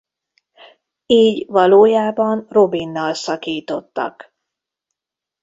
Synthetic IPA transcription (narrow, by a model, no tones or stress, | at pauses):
iːɟʋɒloːjaːbɒnro̞binːɒlsɒkiːt̪o̞t̪ːɒ̰k